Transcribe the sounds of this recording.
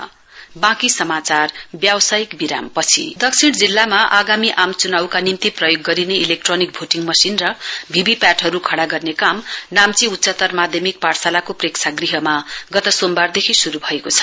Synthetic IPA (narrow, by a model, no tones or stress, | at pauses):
bãkisʌmat͡sarbjawsaikbiɾampʌt͡sʰḭd̪ʌksʰiɽd͡zilːamaʔaɡamiʔamt͡sunawkanimt̪iprʌjoɡːʌɾineilek̚ʈronik̚bʱoʈiŋmʌsinrʌbʱibipjaʈɦʌɾukʰʌɽaɡʌrnekamnamt͡siut̪ːsʌt̪ʌrmad̪ʱjʌmik̚parsalakoprekt͡sʰaɡriɦʌmaɡʌt̪ʌsombard̪ekʰisuɾubʱʌekot͡sʰʌ̥